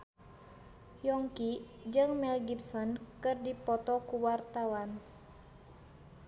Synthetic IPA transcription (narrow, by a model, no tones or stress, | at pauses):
jɔŋki | d͡ʒɨŋmɛlɡipsɔnkɨrdipɔt̪ɔkuwart̪awan